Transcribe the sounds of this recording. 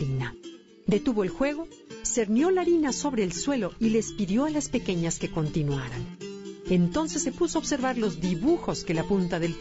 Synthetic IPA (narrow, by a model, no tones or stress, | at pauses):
ina | d̪e̞t̪uβo̞elxwe̞ɣo̞ | se̞ɾnjo̞laɾinaso̞βɾe̞ːlswe̞lo̞ile̞spiðjo̞alaspe̞ke̞ɲaske̞ko̞nt̪inwaɾane̞nt̪o̞nse̞sːe̞pusoaːβ̥se̞ɾβaɾlo̞zðiβuxo̞ske̞lapunt̪aðel